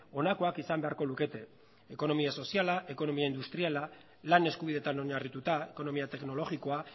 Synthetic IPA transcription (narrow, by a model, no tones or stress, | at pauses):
o̞nako̞akisambeaɾkoluke̞t̪e̞ | eko̞no̞miaso̞sialaʔe̞ko̞no̞miaind̪ust̪ɾiala | lane̞skuβiðe̞t̪ano̞ɲarit̪ut̪ae̞ko̞no̞miat̪e̞kno̞lo̞ɣiko̞a